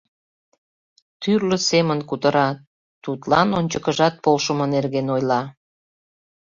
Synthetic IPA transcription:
t̪yrlə̆semənkut̪əɾɑ | t̪ut̪lɑnonʲt͡ɕəkəʒɑt̪̚polʃəmɤnerɣenojlɑ

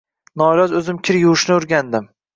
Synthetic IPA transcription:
nɒlɒzɵzɪmkʲʰɪɾjʊwʊʃnɪʊɾɡʲand̪ɪm

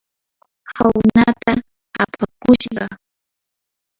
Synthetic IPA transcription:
hawnat̪a | apʰakʊʃɢɑ

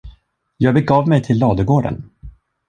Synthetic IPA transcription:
jɑːɡ̚bɛɡɑːvmɛjt̪ʰɪlːɑːd̪əɡoːɖə̰n

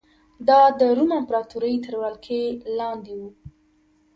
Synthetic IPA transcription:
d̪ɑd̪əɾumampɾɑt̪uɾəjt̪əɾwalkʰelɑnd̪ewu

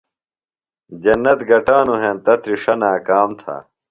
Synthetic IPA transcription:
d͡ʑɐnːɐt̪ɡɐʈaːnuɦẽnt̪ɐt̪ɾiʂɐnaːkaːmt̪ʰa̰ː

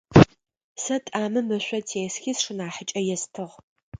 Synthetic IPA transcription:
sɐtʼaːmɨmɨɕʷɔtʰeːsxiːsʂɨnaːħət͡ʃʼɐjɛstʰɨʁ

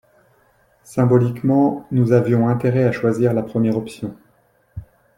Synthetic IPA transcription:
sɛ̃bɔlikmɑ̃nuzavjɔ̃ɛ̃t̪eʁɛaʃwaziʁlapχəmjɛʁɔpsjɔ̃

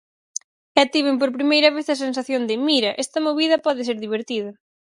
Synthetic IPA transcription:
at̪iβemp̬oɾpɾimejɾɐβeθɐs̬ens̬aθjond̪ɪmiɾɐʔɛst̪ɐmoβiðɐpɔðɪseɾðiβ̞eɾt̪iðɐ

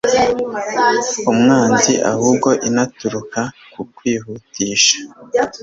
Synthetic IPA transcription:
umŋaːnziʔa̰huːb̚ɡo̞ʔinatuɾuka | kukwiːhutiːʃḁ

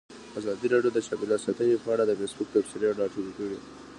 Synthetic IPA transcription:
azɑd̪iɾɑɖjod̪əʃɑbilasɑt̪əjpəaɽad̪əfesbʊk̚t̪apseɾeaɖɑʃoɾukawi

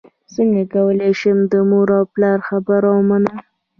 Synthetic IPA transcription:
səŋɡakawəleʃəmd̪əmuɾawplɑɾxabaɾawmana

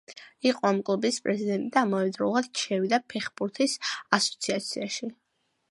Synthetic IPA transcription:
iqʼɔamkʼlˠubispʼɾɛzid̪ɛnt̪ʼid̪aːmɔvɛd̪ɾɔlˠad̪̥ʃʰɛvid̪apʰɛχbuɾt̪ʰisasɔ̥t̪sʰiat̪sʰiaʃi

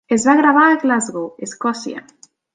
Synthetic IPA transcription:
ezβaɣɾaβaɣlazɣoeskɔsja̰

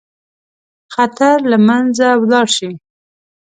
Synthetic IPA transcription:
xat̪aɾlamanzawlɑɽʃi

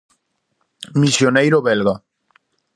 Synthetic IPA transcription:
misjonejɾoβelɣa

